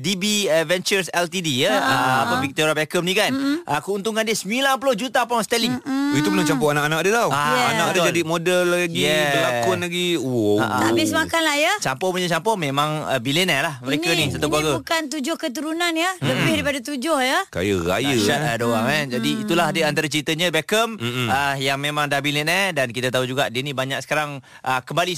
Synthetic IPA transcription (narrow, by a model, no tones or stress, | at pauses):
dibiəvɛnt͡ʃəɾsɛlt̪idijəəaavik̚t̪oɾjabɛkəm̚nĩkanʔəkəunt̪uŋkandiəsmilanp̬ulod͡ʒut̪aːpãst̪ɛliŋit̪upənat͡ʃampɔanakanak̚adət̪awaanakadəd͡ʒadimodəlːaaɡiɛəlakʊnlaɡiua̰ʔa̰amismakanlahjət͡ʃampɔpuɲat͡ʃampɔmẽmãŋə̰bilɛnəlahməɾekənisət̪akwaɡəukant̪̬ud͡ʒʊhkət̪̬uɾunanjələbɪhdaɾipadat̪̬ud͡ʒʊhjəka̰jəɾa̰jəʃat̪̚adoaŋɛd͡ʒadiːt̪ulaɦdəant̪aɾat͡ʃəɾit̪əɲə̃bɛkəməjaŋmemãŋdabilɛnədankit̪at̪aɦud͡ʒuɡaʔdənibaɲaksə̥kaɾaŋ | ʔəkəmbali